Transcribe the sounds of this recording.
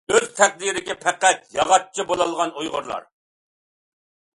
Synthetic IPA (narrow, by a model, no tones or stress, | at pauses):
øz̥t̪ʰæχ̚d̪iɾɪkʲɪpʰɛqæt̪̚jɑʁɑt̚t͡ʃʰibolˠɑlˠʁɑnujʁʊ̰ɾlˠɑ̰ɾ